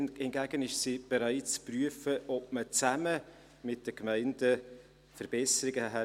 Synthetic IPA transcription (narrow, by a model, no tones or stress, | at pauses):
ɛnɡ̥æɡ̥ənɪʃsiːb̥ɛɾaɪt̚t͡spryəfəʔɔp̚mət͡sæmə | mɪt̚d̥əkmaɪndə | fəɾb̥ɛsəɾɪɡəɦɛ